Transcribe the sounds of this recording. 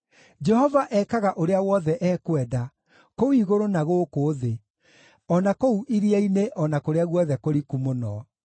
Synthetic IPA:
d͡ʒɛhɔvaʔɛkaɣaʔoɾeawɔðɛʔɛːkwɛda | kowiɣoɾonaɣoːkoðe | ɔnakouʔiɾiaineʔɔnakoɾeaɣwɔðɛkoɾikumonɔ

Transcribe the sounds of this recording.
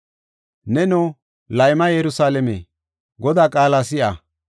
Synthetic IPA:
nɛnoː | lɐjmɐjɛɾʊsaːlɛmḛ | ɡɔd̪aːkʼaːlasɪʔɐ̰

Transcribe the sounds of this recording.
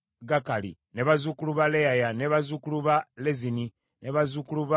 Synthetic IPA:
ɡakalḭneβazukuluβalejajaneβazukuluβalezini | neβazukuluβa

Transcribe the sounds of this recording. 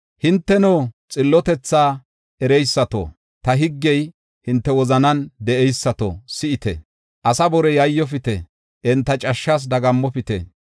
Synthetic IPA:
hɪnt̪ːɛnoːt͡sʼɪlːɔt̪ɛt͡sːaː | ʔɛɾɛjsːɐt̪o̰ | t̪ɐɦɪɡːɛj | hɪnt̪ːɛwɔzɐnɐnd̪ɛʔɛjsːɐt̪o̰sɪɪt̪ɛ̰ | ʔɐsɐbɔɾɛjɐjːɔf̬ɪt̪ɛ | ʔɪnt̪ːɐt͡ʃʼɐʃːɐs̬d̪ɐɡɐmːɔfɪt̪ɛ̰

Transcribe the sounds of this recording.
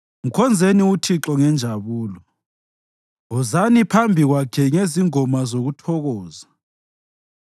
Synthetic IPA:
m̩kʰɔnd͡zʱeniutʰiǁɔŋɛnd͡ʒʱaβuːlɔ | ɔzanipʰambʱiɣwakʰɛŋeziŋɔmazoɣutʰɔɣɔːza

